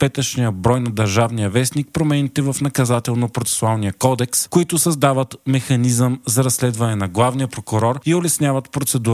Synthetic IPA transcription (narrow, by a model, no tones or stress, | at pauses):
pɛt̪əʃnijəbɾɔjnɐd̪ɐɾʒavnijəvɛsnik̚pɾomɛnit̪ɛvɐfnɐkɐzat̪ɛlˠnopɾot̪sɛ̥sʊalˠnijəkɔd̪ɛkskoit̪ʊsɐzd̪avət̪mɛxɐnizəmzɐɾɐsːlɛd̪vɐnɛnɐɡlˠavnijəpɾokʊɾɔɾiolɛsnʲjavət̪pɾot̪sɛd̪uɾ